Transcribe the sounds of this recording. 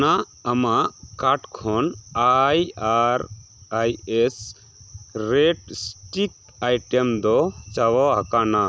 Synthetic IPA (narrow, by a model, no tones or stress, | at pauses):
na | əmakaʈkʰɔnajaɾ | ajes | ɾeʈsʈik̚ | ajʈemd̪ɔt͡ʃawɔɦakana